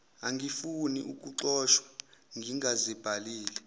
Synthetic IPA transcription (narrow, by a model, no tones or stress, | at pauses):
aŋɡifuniʔuk̬ʼuǁɔːʃwḁŋɡʱiŋazib̥ʱaliːlɛ